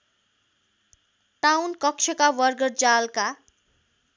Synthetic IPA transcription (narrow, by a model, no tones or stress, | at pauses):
ʈawnkʌk̚t͡ʃʰʌkawʌrɡʌrd͡zalka